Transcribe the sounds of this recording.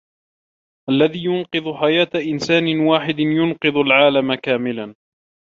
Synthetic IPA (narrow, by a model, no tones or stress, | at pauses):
ʔalːaðiːjʊnqɨðˤʊħajaːt̪aʔɪnsaːnɪwaːħɪd̪ɪnjʊnqɨðˤalʕaːlamakaːmɪlan